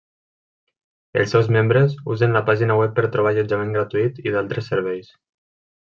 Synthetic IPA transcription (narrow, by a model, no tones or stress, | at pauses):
ḛlˠsɛwzmembɾezuzənlapaʒinawɛpːəɾt̪ɾuβ̞aʎud͡ʒamẽŋɡɾat̪uit̪iðalˠt̪ɾesəɾβ̞ɛjs